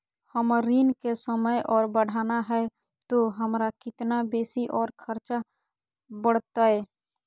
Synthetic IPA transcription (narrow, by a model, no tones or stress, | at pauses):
həmɾiːnkesəməjʔɔːɾbəɽ̤ʱaːnaɦɛ | t̪oɦəmɾakɪt̪nabeːsiʔɔːɾkʰəɾt͡ʃa | bəɽ̤t̪aɦɛː